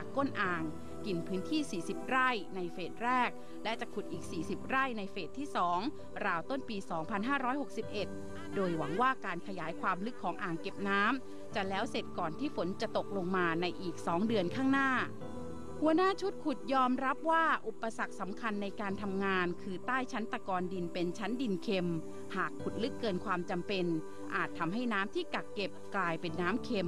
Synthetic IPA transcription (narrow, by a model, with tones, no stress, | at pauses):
ko˥˩nʔaː˨˩ŋ | ki˨˩npʰɯː˦˥nt̪ʰiː˥˩siː˨˩si˨˩p̚ɾa˥˩jna˧jfeː˨˩t̪̚ɾɛː˥˩k̚ | lɛ˦˥t͡ɕa˨˩kʰu˨˩t̪̚ʔiː˨˩k̚siː˨˩si˨˩p̚ɾa˥˩jna˧jfeː˨˩t̪ʰːiː˥˩sɔː˩˦ŋ | ɾaː˧wt̪o˥˩npiː˧sɔː˩˦ŋpʰa˧nɦaː˥˩ɾɔː˦˥jho˨˩k̚si˨˩p̚ʔe˨˩t̪̚ | doː˧jwa˩˦ŋwaː˥˩kaː˧nkʰa˧jaː˩˦jkʰwaː˧mlɯ˦˥kʰːɔː˩˦ŋʔaː˨˩ŋke˨˩p̚naː˦˥m | t͡ɕa˨˩lɛː˦˥wse˨˩t̪̚kɔː˨˩nt̪ʰiː˥˩fo˩˦nt͡ɕa˨˩t̪o˨˩k̚lo˧ŋmaː˧na˧jʔiː˨˩k̚sɔː˩˦ŋdɯ˧ənkʰaː˥˩ŋnaː˥˩ | hu˧˩ənaː˥˩t͡ɕʰu˦˥t̪̚kʰu˨˩t̪̚jɔː˧mɾa˦˥p̚waː˥˩ʔu˨˩pːa˧sa˨˩k̚sa˩˦mkʰa˧nːa˧jkaː˧nt̪ʰa˧mŋaː˧nkʰɯː˧t̪aː˥˩jt͡ɕʰa˦˥nt̪a˧kɔː˧ndi˧npe˧nt͡ɕʰa˦˥ndi˧nkʰe˧m | haː˨˩kʰːu˨˩t̪̚lɯ˦˥kːɤː˧nkʰwaː˧mt͡ɕa˧mpe˧n | ʔaː˨˩t̪ʰːa˧mɦa˥˩jnaː˦˥mt̪ʰiː˥˩ka˨˩kːe˨˩p̚klaː˧jpe˧nːaː˦˥mkʰe˧m